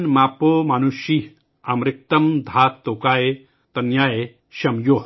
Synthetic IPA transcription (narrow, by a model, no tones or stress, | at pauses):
nmaːpomanuʃi | amɾik̚t̪ɐmd̪ʱaːt̪ːokaːje | t̪ɐnjaːje | ʃɐmjo